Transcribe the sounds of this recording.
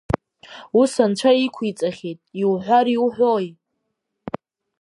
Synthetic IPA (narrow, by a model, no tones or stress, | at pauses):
usant͡ʃʷʰaikʷʰit͡sʼaχʲetʼiwħʷaɾiwuħʷᶣoj